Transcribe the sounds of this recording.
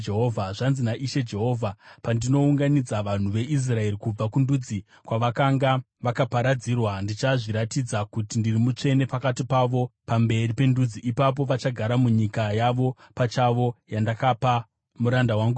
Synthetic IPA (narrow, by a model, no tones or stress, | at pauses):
d͡ʒeɦoːvʱaʐanzinaʔiʃe̞d͡ʒe̞ɦo̞ːvʱapandino̞uŋɡanid͡zaʋan̤uʋe̞ʔis̬rae̞rikub͡vakundud͡zi | kwaʋakaŋɡa | ʋakapaɾad͡zirwandit͡ʃaʐiɾatid͡zakutindirimut͡ʂe̞ne̞pakatipaʋo̞pambe̞ripe̞ndud͡ziʔipap̬o̞ʋat͡ʃaɡʱaɾamuɲikajaʋo̞pat͡ʃaʋo̞jandakapa | muɾandawaŋɡu